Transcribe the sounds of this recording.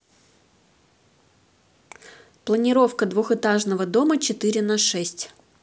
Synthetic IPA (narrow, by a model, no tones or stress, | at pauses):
plˠənʲɪɾo̞fkəd̪vuxɨt̪aʐnəvəd̪o̞mət͡ɕɪt̪ɨɾʲɪnɐʂɛsʲtʲ